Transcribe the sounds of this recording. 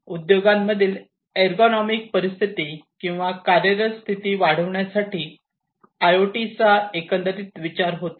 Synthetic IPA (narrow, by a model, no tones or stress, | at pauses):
ud̪joɡamːəd̪ʱiːl | eɾɡɔnɔmik̚pəɾist̪ʰit̪ikĩw̃ʋakaɾjəɾəst̪ʰit̪iːʋaɽ̤əʋɳjasaʈiː | ajoʈit͡saekənd̪əɾit̪ʋit͡ɕaɾɦot̪